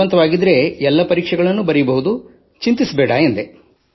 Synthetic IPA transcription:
ɐnt̪ɐʋaːɡid̪ɾe̞ɛlːɐpɐɾiːkʂɛɡɐɭɐnːubɐɾibɐɦud̪u | t͡ʃint̪isɐbɛːɽaend̪e

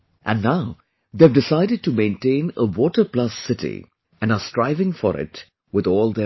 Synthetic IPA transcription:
ʔæ̃nːaʊ | d̪evɖɪsaɪɾɨd̚ʈumẽntẽɪ̃nəwɔːʈə˞plʌsːɪtḭ | ʔɨ̃nəstɾaɪvɪ̃ŋfɔ̰ɾɪ̰t | wɪðɔːlˠd̪ə

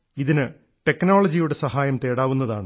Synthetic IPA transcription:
iðinɨ | ʈe̞knoːɭɐd͡ʑijuɽe̞sɐɦaːjɐmt̪e̞ːɽaːʋunːɐðaːɳɨ

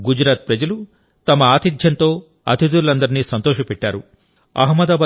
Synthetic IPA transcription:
ɡud͡ʒɾaːt̪̚pɾɐd͡ʒɐlu | t̪ɐmɐaːt̪ʰid̪ʱjɐnt̪oː | ɐ̰t̪ʰid̪uɾlɐnd̪ɐɾinːisɐnt̪oːʃɐpɛʈːa̰ːɾu | ɐ̰ɦmɐd̪aːbaː

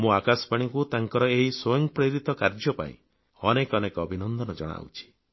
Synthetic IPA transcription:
mũakasɔ̥paɽ̃ikut̪aŋkɔɾɔeɦiswojɔŋpɾeɾit̪ɔkaɾd͡ʒɔpa̰ḭ̃ | ɔnekɔnekɔbʱinɔnd̪ɔnɔd͡ʒɔ̰ɽ̃a̰wt͡ʃʰi̥

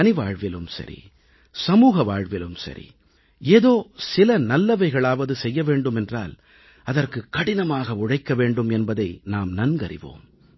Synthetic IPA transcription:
nɪʋaːɻʋɪlɯmsɐ̰ɾḭ | sɐmuːɣɐʋaːɻʋɪlɯmsɐ̰ɾḭ | eːðoːsɪlɐnɐlːɐʋɐɪɣɐɭaːʋɐðɯsɛjːɐʋeːɳɖɯmɛndra̰ːl | ɐðɐrkɯkːɐɽɪnɐmaːɣɐʊɻɐɪkːɐʋeːɳɖɯmɛnbɐðɐɪnaːmnɐnɡɐɾɪ̰ʋo̰ːm

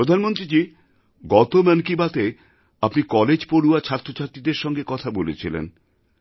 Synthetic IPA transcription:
pɾod̪ʱanmont̪ɾid͡ʑi | ɡɔt̪omənkibat̪e | apnikɔled͡ʑpoɽuat͡ɕʰaɾt̪ːɾot͡ɕʰaɾt̪ɾid̪eɾʃɔŋɡekɔt̪ʰabolet͡ɕʰilḛn

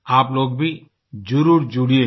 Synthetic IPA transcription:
aːploːɡbʱi | d͡ʒʊɾuːɾd͡ʒuɽieː

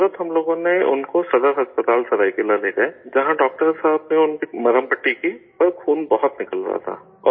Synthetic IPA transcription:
ɾət̪ɦɐmloːɡõneʊ̰nkosɐd̪əɾɦɐspət̪aːlsɐɾaːikelaleːkɐed͡ʒɐɦãɖɔːk̚ʈəɾɪsaːbneʊnkimɐɾəmpəʈːiki | ɐɾkʰuːnbɐɦʊt̪nɪkəlɾɐ̰ɦa̰t̪ʰa̰ː | ɔ̰ː

